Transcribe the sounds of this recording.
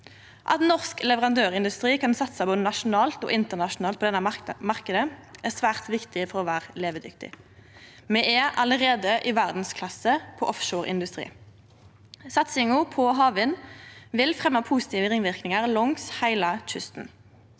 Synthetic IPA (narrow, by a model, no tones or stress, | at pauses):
ʔɑ̰t̪nɔʁsklɛʋəʁɑnd̪øːʁɪnd̪ʉst̪ʁiːkʰɑnsɑt̪sɑboːd̪ənɑʃʊnɑːlt̪ɔ̰ːʔɪnt̪əʁnɑʃʊnɑːl̚pʰɔd̪ɛnːəmɑʁkəd̪əæsʋæːʁt̪ʋɪkt̪ɪfɔʁɔːʋæːʁəleːʋəd̪ʏk̚t̪ɪ̰ | mɛʔɛʔɑləʁeːd̪əʔɪʋæʁd̪n̩skʰlɑsːəpʰɔʔɔfʃoːʁɪ̰nd̪ʉst̪ʁḭː | sɑt̪sɪŋʊpʰɔɦɑːʋɪnʋɪlfʁɛmːɑpʰuːsɪ̥t̪ʰiːʋəʁɪŋʋɪʁknɪŋəʁlɔŋshæɪlɑt͡ʃʏst̪n̩